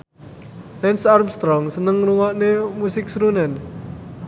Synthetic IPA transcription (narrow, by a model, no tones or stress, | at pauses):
lɛnsarmst̪ɾɔŋsənəŋɾuwaʔnemusɪk̚sɾunɛn